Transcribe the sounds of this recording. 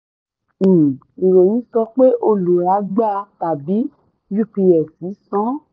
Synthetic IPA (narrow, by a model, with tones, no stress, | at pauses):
i˨ɾo˨jĩ˨˦sɔ˧k͡pe˦ʔo˧˨lu˨ɾa˨˧˦ɡ͡ba˦˧ta˨bi˨˦ | ju˦˨pi˧ɛ˨si˨˦sɔ̃˦